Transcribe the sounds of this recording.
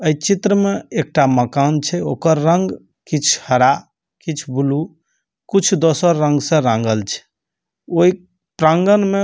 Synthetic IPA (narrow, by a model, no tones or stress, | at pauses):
əjt͡ʃit̪ɾəmeek̚ʈaməkant͡ʃʰɛokəɾːəŋɡ | kit͡ʃʰhəɾa | kit͡ʃʰbulu | kit͡ʃʰd̪osəɾːə̃ŋɡsə̃ɾãŋɡəlt͡ʃʰɛ̥ | oi | pɾãŋɡənme